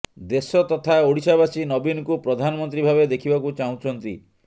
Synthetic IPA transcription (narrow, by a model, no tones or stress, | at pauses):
d̪esɔt̪ɔt̪ʰaoɽisabasinɔbinɔkupɾɔd̪ʱanɔmɔnt̪ɾibʱabed̪ekʰibakut͡ʃaũt͡ʃʰɔnt̪ḭ